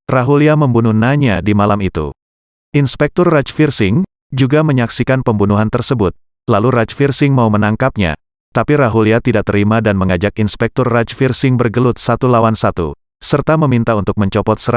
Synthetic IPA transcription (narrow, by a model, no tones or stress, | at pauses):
raɦuliaməmbunuhnaɲadimalamit̪ṵ | ʔinspɛk̚t̪ɔrːat͡ʃfirsɪŋ | d͡ʒuɡaməɲaksikanpəmbunuɦant̪ərsəbʊt̪̚ | lalurat͡ʃfirsɪŋmaumənaŋkap̚ɲa̰ | t̪apiɾaɦuliat̪idaʔ̚t̪əɾimadanməŋad͡ʒak̚inspɛk̚t̪ɔrːat͡ʃfirsɪŋbərɡəlʊt̪̚sat̪ulawansat̪ṵ | sərt̪aməmint̪aunt̪ʊk̚məɲt͡ʃɔpɔt̪̚səɾ